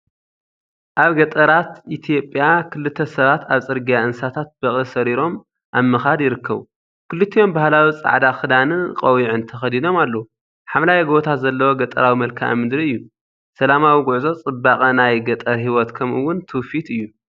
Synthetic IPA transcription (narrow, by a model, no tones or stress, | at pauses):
ʔaβɡɐt̪ʼɐɾat̪ʔit̪ʰijo̞pʼːjakʰɨlɨt̪ʰːɐsɐβat̪aβt͡sʼɨɾɡijaʔɨnsat̪ʰat̪̚b̥ɐχʼisɐɾiɾo̞m | ʔamːɨxad̪jɪɾɨkʰːɐβu | kʰɨlɨt̪ʰːijo̞mbahlawit͡sʼa̰ʕd̪axɨd̪anɨqʼɐwiʕɨnt̪ʰɐxɐd̪ino̞malːɐu | ħamlajiɡo̞t̪ʰazɐlːɐwoɡɐt̪ʼɐ̰ɾawimɐlkʰʔa̰mɨd̪ɾiɨjːu | sɐlamawiɡʊʕzo̞t͡sʼɨbːakʼɐnajɡɐt̪ʼɐɾhiwɔt̪kʰɐmɨwːʊnt̪ʰufit̪ɨjːu